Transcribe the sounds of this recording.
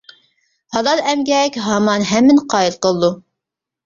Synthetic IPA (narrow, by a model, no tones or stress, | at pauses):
hɑlˠɑlˠɛmɡʲɛkʲɦɑmɑnɦɛmːɪnqʰɑːilˠqəlˠd̪u